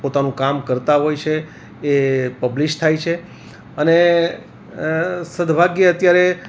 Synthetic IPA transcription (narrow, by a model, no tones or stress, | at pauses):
pot̪anũkamkəɾt̪aɦojt͡ʃʰeː | pəbliʃt̪ʰajt͡ʃʰe | əne | səd̪ʱbʱaɡjəət̪jaɾe